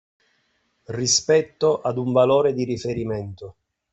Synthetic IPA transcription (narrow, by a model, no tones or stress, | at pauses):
rispɛt̪ːoʔad̪uɱvaloːɾed̪iɾifeɾimɛnt̪o